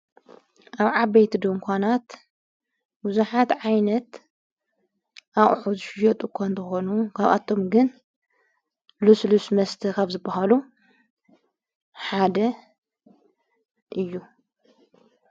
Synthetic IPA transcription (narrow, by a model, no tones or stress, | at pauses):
ʔaβʕaβɐjt̪ʰid̪ɨŋkʰʷanat̪ | buzuħat̪ʕajnɐt̪ | ʔaχʼħuzɨʃɪjɐt̪ʼukʰʷant̪ʰɨxonukʰaβa̰t̪ʰːo̞mɡɨn | luslusmɐst̪ʰɨkʰaβzɨbːaɦalu | ħad̪ɐ | ʔɨjːu